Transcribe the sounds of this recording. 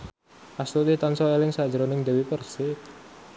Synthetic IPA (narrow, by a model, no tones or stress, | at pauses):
ʔast̪ut̪it̪ansɔelɪŋsḁd͡ʒəɾonɪŋd̪ewipərsɪ